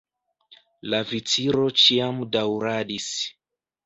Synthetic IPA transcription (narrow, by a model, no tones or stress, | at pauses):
lavitiɾɔt͡ʃiamudauɾaɗis